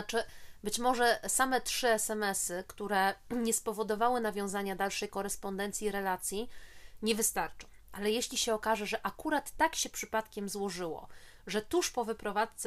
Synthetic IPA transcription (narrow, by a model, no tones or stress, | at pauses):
t͡ʂɘbɘt͡ɕmɔʐɛsamɛtʂɘɛsɛmɛsɘkt̪uɾɛɲɛspɔvɔd̪ɔvawɘnavʲjɔ̃w̃zaɲad̪alʂɛjkɔɾɛspɔnd̪ɛnt̪sʲiɾɛlat̪sʲjiɲɛvɘst̪aɾt͡ʂɔ̃w̃ʔalɛjeɕlʲiɕɛɔkaʐɛʐɛʔakuɾat̪ːakɕɛpʂɘpat̪kʲɛmzwɔʐɘwɔ̰ | ʐɛt̪uʂpɔvɘpɾɔvat̪t̪s